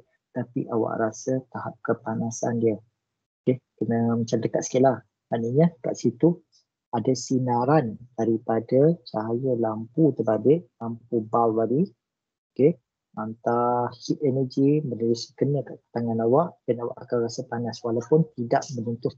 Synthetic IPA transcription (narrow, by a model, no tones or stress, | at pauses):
t̪apḭʔawa̰ʔrasət̪aɦap̚kəpanasandiə | kehkənəmət͡ʃamdəkat̪sə̥kilah | maʔnəɲəka̰ʔsit̪u | adasinaɾandaɾipadat͡ʃaɦajəlamput̪ərbalɪʔ̚lampubalbali | okeh | mant̪ahit̪ɛnəd͡ʒimənuɾuskənːəkaʔt̪aŋanawaʔɡ̥anawa̰ʔakawɾasəpanaswalawpʊnt̪idaʔmənunt̪ʊ